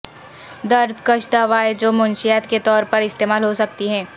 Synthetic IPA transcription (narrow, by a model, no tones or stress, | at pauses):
d̪ɐɾd̪ʱkɐʃt̪aʋaːed͡ʒoːmʊ̃nʃijaːt̪ket̪ɔːɾpɐɾɪst̪eːmaːlɦosɐk̚t̪iɦɛ̃ː